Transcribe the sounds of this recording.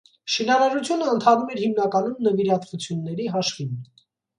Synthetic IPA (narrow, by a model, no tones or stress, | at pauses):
ʃinɑɾɑɾut͡sʰjunəənt̪ʰɑnumɛɾhimnɑkɑnumnəviɾɑt̪vut͡sʰjunːɛɾiɦɑʃvin